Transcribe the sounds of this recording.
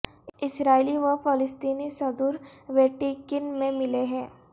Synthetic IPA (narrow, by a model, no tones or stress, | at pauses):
ɪsɾaːiliʋɐfɪlɪst̪iːnisɐd̪uːɾʋeːʈikɪnmẽmɪleɦɛ̃ː